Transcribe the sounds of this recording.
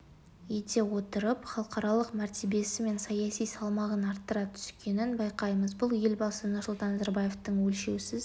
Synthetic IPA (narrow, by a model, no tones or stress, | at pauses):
je̞t̪e̞wo̞t̪əɾəpχɑlˠəqɑɾɑlˠəqmæɾt̪e̞be̞sɪme̞nsɑjɑsijsɑlˠmɑʁənɑɾt̪ːəɾɑt̪ʰʏ̥skʲe̞nɪnbɑjqɑjməzbʊlˠje̞lʲbɑsənʊsʊlˠt̪ɑnːɑzɑɾbaje̞ft̪əɴwɵlʃe̞wsɪz